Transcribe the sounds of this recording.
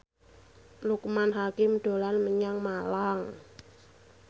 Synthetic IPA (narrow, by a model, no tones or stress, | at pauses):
lukmanɦakɪmɖ̥o̤lanməɲaŋmalaŋ